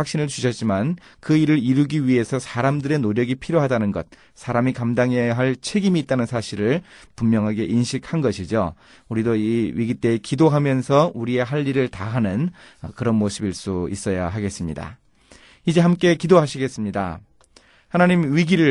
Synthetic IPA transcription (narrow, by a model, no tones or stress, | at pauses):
wak̚ɕ͈inɯɭt͡ɕuɕʰʌt̚t͡ɕ͈iman | kɯiɾɯɾiɾuɡiɥiɦe̞sʰʌsʰaɾamdɯɾe̞noɾjʌɡipʰiɾjoɦadanɯnɡʌt̚ | s͈ʰaɾamikamdaŋɦeɦaɭt͡ɕʰe̞ɡimiːt̚t͈anɯnsʰaɕʰiɾɯɭpummjʌŋɦaɡe̞ʔinɕʰik̚ʰhanɡʌɕʰid͡ʑo̰ | uɾidoiwɥiɡit͈e̞ːkidoɦamjʌnsʰʌuɾie̞ɦaʎːiɾɯɭtaɦanɯnʌkɯɾʌnmosʰɯbiɭs͈uḭs͈ʌjaɦaɡe̞s͈ɯmɲida̰ | id͡ʑe̞ɦamk͈e̞kidoɦaɕʰiɡe̞s͈ɯmɲida̰ | hanaɲimɥiɡiɾɯ